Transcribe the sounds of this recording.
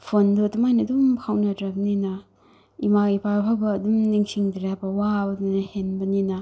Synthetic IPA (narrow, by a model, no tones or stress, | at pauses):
pʰondotumajnɐdumkʰawnɐdɾɐbɐninɐ | imaipʰaɾpʰawbɐːdumniŋsiŋdɾapɐwabɐduninɐhenbɐninɐ